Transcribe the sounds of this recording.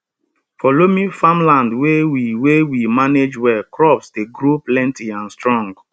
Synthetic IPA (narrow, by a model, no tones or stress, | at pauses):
fɔlomĩfãmlãndwewiwewimaned͡ʒwɛkɹɔpsdeɡɾoplɛ̃ntiãnstɹɔ̃ŋɡ